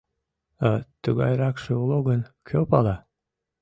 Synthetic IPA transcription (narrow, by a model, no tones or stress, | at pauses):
ɑt̪əɣɑjɾɑkʃeuloɣənkʰʲøpɑlɑ